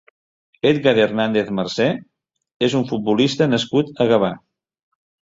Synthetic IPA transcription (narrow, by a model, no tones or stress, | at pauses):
et̪̚ɣaðernand̪eθmərsɛ | ezuɱfut̪̚bulist̪ənəskut̪əɣəβa